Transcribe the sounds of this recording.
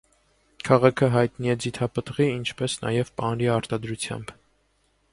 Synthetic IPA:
kʰɑʁɑkʰəɦɑjt̪niɛd͡zit̪ʰɑpət̪ʁiint͡ʃʰpɛsnɑ̰jɛvpɑnɾiɑɾt̪ɑd̪ɾut͡sʰjɑ̰mb

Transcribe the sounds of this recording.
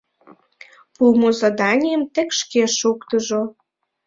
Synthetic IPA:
pumozɑd̪ɑnʲijəmt̪ĕkʃkeʃukt̪əʒo

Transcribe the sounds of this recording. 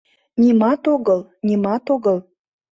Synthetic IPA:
nʲimɑt̪oɣəlˠnʲimɑt̪oɣəl

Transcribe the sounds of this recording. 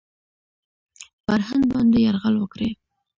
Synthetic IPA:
faɾhanɡ̪̚bɑnd̪ejaɾɣalwəkɾe

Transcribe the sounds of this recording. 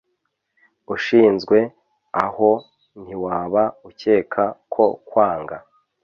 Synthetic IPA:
uʃiːnzɡwe̞ | aho̞ | n̥hiwaːβauce̞ːkʰakʰo̞kwaːŋɡa

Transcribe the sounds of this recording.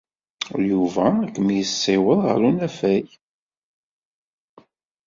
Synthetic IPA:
juvæækːmijəsːɪwəðˤʁə̰ɾunæfæj

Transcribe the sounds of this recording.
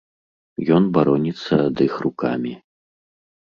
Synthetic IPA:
jɔnbaɾɔnʲit̪sːɐd̪ɨxruka̰mʲi

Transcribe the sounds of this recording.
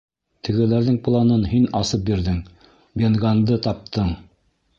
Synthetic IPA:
t̪ʰɘ̆ɡɘ̆læɾðɘŋplˠɑnɤnɦinɑsɤp̚biɾðɘŋ | bʲenɡand̪ɤt̪ɑp̚t̪ʰɤɴ

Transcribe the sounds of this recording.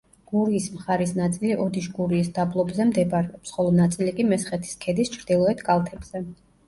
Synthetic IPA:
ɡ̥uɾiːsmχaɾisnat̪sʼiliʔɔd̪iʃɡuɾiːsd̪ablˠɔbzɛmd̪ɛbaɾɛɔpsχɔlˠɔnat̪sʼilikʼimɛsχɛt̪ʰi̥skʰɛd̪ist͡ʃʰɾd̪̥ilˠɔɛt̪ʰkʼalˠt̪ʰɛbz̥ɛ

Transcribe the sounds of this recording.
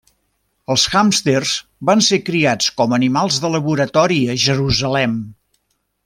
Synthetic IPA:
əlˠsxamst̪erzbansekɾiat͡skɔmənimalˠzðələβuɾət̪ɔɾiəʒəɾuzəlɛm

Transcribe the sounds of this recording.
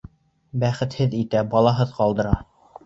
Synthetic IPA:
bæχɘ̆t̪hɘðit̪æbɑlˠɑɦɤðqɑlˠd̪ɤ̆ɾɑ

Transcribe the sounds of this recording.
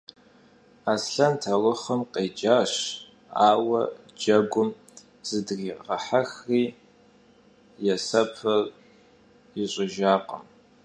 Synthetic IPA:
aːsɬɐntʰɐlʊχɐmqʼeːd͡ʒʼaːʂ | aːwɐ | d͡ʒɐɡʷʊm | z̥ɨdriːʁɐħaxriː | jɛsɐpʰɐr | iɕʷʼɪʒaːqʼə̰m

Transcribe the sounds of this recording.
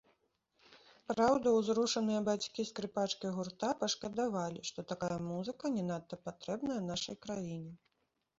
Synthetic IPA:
pɾawd̪ɐwzɾuʂɐnɨjɐbat͡sʲkʲiskɾɨpat͡ʂkɐjɣurt̪apɐʂkɐd̪avalʲiʂt̪ɔt̪akajɐmuzɨkɐnʲɛnat̪ːɐpat̪ɾɛbnɐjɐnaʂɐjkɾajinʲɛ

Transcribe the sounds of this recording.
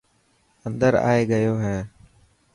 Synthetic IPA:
ənd̪əɾa̰ːeːɡəjoːɦẽː

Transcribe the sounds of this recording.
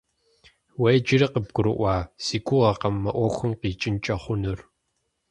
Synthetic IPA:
wejd͡ʒɪrɐqəb̚ɡʷʊɾɨʔʷɑːsiːkʷʰʊʁɐqɐmːɐʔʷɔxʷʊmqiːt͡ʃʼɪnt͡ʃʼɐχʷʊnɨr

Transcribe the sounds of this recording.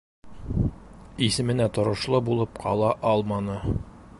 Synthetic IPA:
isɘ̆mɘ̆næt̪ŏɾŏʃlˠɤbulˠɤpqʰɒ̰lˠɑʔɒlˠmɑnɤ

